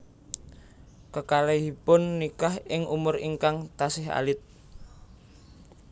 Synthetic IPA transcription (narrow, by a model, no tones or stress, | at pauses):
kəkaleɦipʊnːikahɪŋʔumʊriŋkaŋt̪asɪɦa̰lɪt̪̚